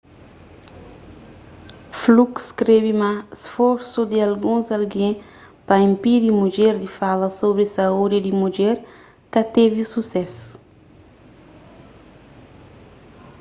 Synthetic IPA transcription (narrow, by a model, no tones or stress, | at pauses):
flukskɾeβimasfoɾsud̪ialɡũzalɡẽ | pɐĩmpid̪imud͡ʒeɾd̪ifalɐsoβɾisaud̪id̪imud͡ʒɛɾ | kɐt̪evisusɛsu̥